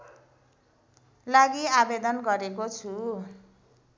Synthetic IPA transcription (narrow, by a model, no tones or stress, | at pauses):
laɡiabed̪ʌnɡʌɾekot͡sʰu